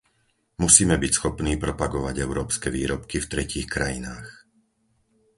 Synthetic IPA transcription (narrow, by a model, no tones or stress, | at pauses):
musiːmɛbicsxɔpniːpɾɔpaɡɔʋaɟɛʊɾɔːpskɛʋiːɾɔpkift̪ɾɛciːxkɾajinaːx